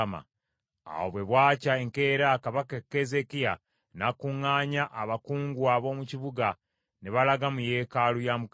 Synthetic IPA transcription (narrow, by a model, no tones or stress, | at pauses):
ma̰ | a̰wo̰βwe̞βwaːcaeŋke̞ːɾaːkaβakekːezekija | nakuŋːaːɲaʔːβakuːŋɡuaβo̞ːmuciβuɡa | neβalaɡamuje̞ːkalujamuk